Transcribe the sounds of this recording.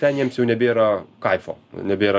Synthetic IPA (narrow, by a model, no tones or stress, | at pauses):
t̪ʲɛnjiɛmsjɛʊnʲɛbʲeːɾɐkɐɪfo̰ːnʲɛbʲeːɾɐ